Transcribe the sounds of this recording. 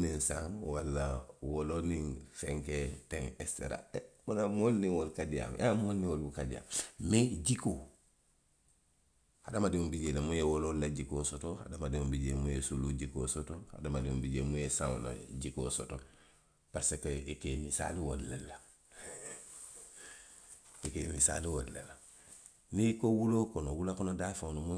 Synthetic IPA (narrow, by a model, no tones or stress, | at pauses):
ninsãŋwalːawoloniŋfeŋketeŋestḛɾa̰munamolniwolkadia̰mjʔamolniwolbukadija̰ːmmeɟikoː | hadamadimumbiɟelemujewolollaɟikoːsotoha̰damadimumbiɟemujesuluɟiko̰sotoha̰damadimumbiɟemujesãw̰la̰ɟiko̰ːsoto | paɾsekoʔekemisa̰liwodlelːa | ekemisa̰liwodlela | nikowulokonowulakonodafanomu